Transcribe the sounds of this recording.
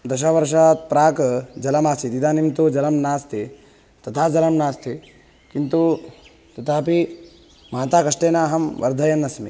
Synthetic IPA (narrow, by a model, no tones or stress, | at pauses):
d̪ɐʃ̬ɐːʋɐɾʂ̬aːt̪̚pɾaːkd͡ʒɐlɐmaːsit̪id̪aːnimt̪ud͡ʒɐlɐmnaːst̪ʰi | t̪ɐt̪ʰaːd͡ʒɐlɐmnaːst̪ʰi | kint̪u | t̪ɐt̪ʰaːpi | mɐːt̪aːkɐʂʈeːnaːɦɐmʋɐ̰ɾd̪ʱɐjɐnːɐsmḭ